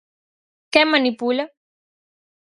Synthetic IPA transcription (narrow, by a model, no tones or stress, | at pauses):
kemanipula